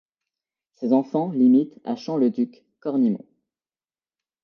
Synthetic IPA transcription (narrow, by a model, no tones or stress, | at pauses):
sezɑ̃fɑ̃limit̪a̰ʃɑ̃ləd̪ykː | ɔʁnimɔ̰̃